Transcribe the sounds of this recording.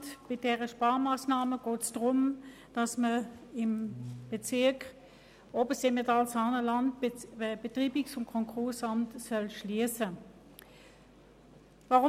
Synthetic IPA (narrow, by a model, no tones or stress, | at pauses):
tb̥ɪdɛʁəʃpaːɐmaːsnaːməɡ̥ɔːtsd̥ʁʊm | d̥ɑsməɪmb̥et͡sɪɐk | obəsemetɑlsɑnəlɑntːb̥etʁiːbɪksʊnkʰɔŋkʰʁʊɐsɑmtsœlʃliəsə | vaʁʊ